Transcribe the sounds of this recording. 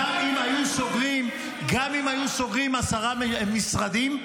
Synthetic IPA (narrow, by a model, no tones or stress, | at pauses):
amimajusoɡʁim | ɡamimajusoɡʁimasaʁamisʁad̪im